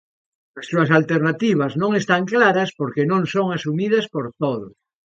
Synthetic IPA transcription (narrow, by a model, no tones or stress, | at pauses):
assuɐsalt̪eɾnat̪iβ̞ɐznõŋest̪aŋklaɾɐspoɾkenõŋsoŋasumið̞ɐspoɾt̪oðʊs